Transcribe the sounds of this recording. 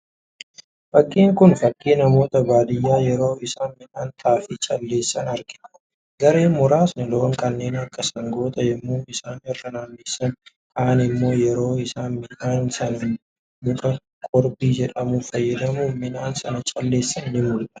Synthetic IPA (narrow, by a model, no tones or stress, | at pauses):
fɐkʼːiːŋkʊnfɐkʼːiːnɐmo̞ːt̪ɐbaːd̪ɪjːaːjɛɾo̞ːɪsaːnmɪnaːnt̪ʰaːfɪt͡ʃʼɐlːe̞ːsːɐnɐɾɡɪᶑɐ̥ | ɡɐɾe̞ːmʊɾaːsnɪloːŋkʼɐnːe̞ːnɐkːɐsɐŋɡo̞ːt̪ʼɐjɛmːuːnɪsaːnɛrːɐnaːnːiːsːɐn | kʰʼaːnɪmːo̞ːjɛɾo̞ːɪsaːnmɪnaːnsɐnɐ | mʊkʼɐ | kʼɔɾbiːd͡ʒɛᶑɐmuːfɐjːɐd̪ɐmuːmɪnaːnsɐnɐt͡ʃʼɐlːe̞ːsːɐnnɪmʊlᶑɐ̥